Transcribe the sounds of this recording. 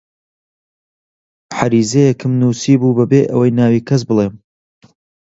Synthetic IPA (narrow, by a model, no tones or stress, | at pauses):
ħaɾiːzejɛkʰɨmnusiːbuːbɐbeːʔɐ̰wɐjnaːwiːkʰɐs̬bɨlˠeːm